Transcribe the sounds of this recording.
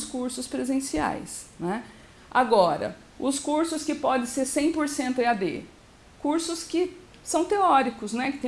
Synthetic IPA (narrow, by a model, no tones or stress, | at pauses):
skuɾsʊspɾezẽsia̰jsnɛ | ʔa̰ɡɔɾɐ̰ | ʊskuɾsʊskɪpɔd̪ẽseɾsẽj̃poɾsẽnt̪ʊɪad̪ḛ | kuɾsʊskɪ | sɐ̃w̃t̪eɔɾikʊsnɛkɪ̥t̪ẽ